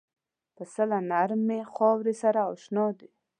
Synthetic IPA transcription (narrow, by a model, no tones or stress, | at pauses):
p̪əsəlanaɾmexɑwɾesaɾaɔʃnɑd̪e